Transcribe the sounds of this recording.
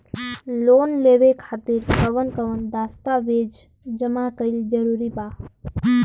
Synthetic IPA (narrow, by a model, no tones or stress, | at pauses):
loːnleʋekʰaːt̪iɾkəʋənkəʋənd̪ast̪aʋed͡ʒ | d͡ʒəmakəild͡ʒəɾuɾiba